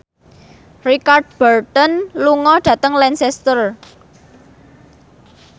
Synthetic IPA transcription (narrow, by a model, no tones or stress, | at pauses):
rikard̚b̥art̪ənluŋɔɖ̥ä̤t̪əŋlɛnsɛst̪ər